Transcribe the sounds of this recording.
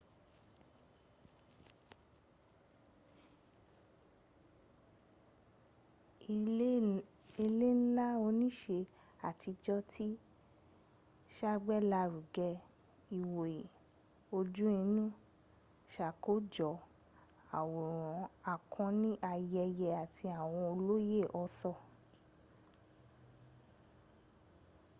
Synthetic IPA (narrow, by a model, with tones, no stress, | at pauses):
i˧le˦n̩˦la˦o˧˦nĩ˦ʃe˧ | a˨tʰi˧d͡ʒɔ˧tʰi˦ | ʃa˦ɡ͡bɛ˦la˧ɾu˨ɡɛ˧ | i˨wo˨e˨ | o˧d͡ʒũ˦ĩ˧nũ˦ | ʃa˨ko˨˦d͡ʒɔ˨ | a˨wu˨ɾ̃ɔ̃˨˦a˨kʰɔ̃˧˦nĩ˦ʔa˧jɛ˧jɛ˧a˨tʰi˧a˨w̃ɔ̃˧o˧lo˦je˦˨ʔɔ˧˦sɔ˦˨